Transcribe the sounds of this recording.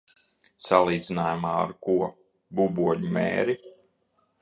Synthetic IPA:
salˠiːd̪zinaːjumaːa̰ɾkuɔ | bubuɔɲumḛːɾi

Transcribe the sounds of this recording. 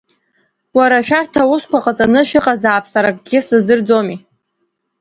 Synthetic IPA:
waɾaʃᶣartʰawʊskʷaqʼat͡sʼanɨʃɪqʼazaːpʰsaɾakʼɡ̥ʲɪsɨzdɨrd͡zomi

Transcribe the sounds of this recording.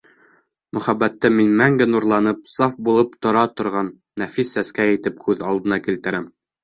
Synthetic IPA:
mɵ̆χæbæt̪ːɘminmæŋɡɘnuɾlˠɑnɤp̚sɑfbulˠɤpt̪ŏɾɑt̪ŏɾʁɑnːæfisːæskæjɘ̆t̪ɘp̚kʉðɑlˠd̪ɤ̆nɑkilt̪ɘ̆ɾæm

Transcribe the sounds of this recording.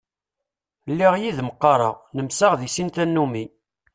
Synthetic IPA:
lːiʁjiðməqːɑɾˤɑ̰nəmsaʁðisint̪ænːumi

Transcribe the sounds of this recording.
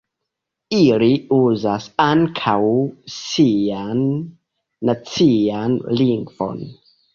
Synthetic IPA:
iliuzasaŋkʰawsianː | at͡sianliŋɡvo̞̰n

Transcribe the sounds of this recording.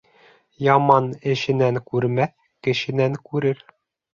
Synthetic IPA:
jɑmɑnɘ̆ɕɘ̆næŋkʉɾmæθ | kɘ̆ɕɘ̆næŋkʉɾɘɾ

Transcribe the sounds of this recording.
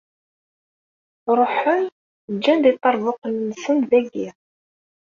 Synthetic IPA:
ɾˤoħən | d͡ʒːænd̪it̪ˤːɑɾˤvʊqənːəsənðæɡi

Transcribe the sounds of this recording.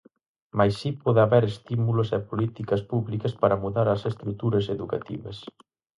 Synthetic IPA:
majsipɔðɪaβɛɾest̪imulos̬ɛpolit̪ikɐspuβlikɐspaɾɐmuðaɾɐsest̪ɾut̪uɾɐseðuka̰t̪ḭβɐ̰s

